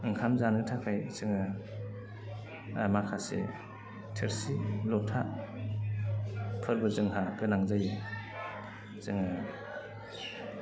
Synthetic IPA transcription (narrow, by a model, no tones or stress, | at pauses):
ɯŋkʰamzanɯtʰakʰajzɯŋɯ | a̰makʰasḛ | tʰeɾsilɔtʰa | pʰɯɾbɯzɯŋɦapʰenaŋzajɯ | zɯŋa